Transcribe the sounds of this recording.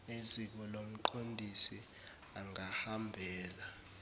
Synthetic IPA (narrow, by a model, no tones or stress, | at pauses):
nezik̬ɔlom̩ǃʰondʱisi | aŋahambʱɛːla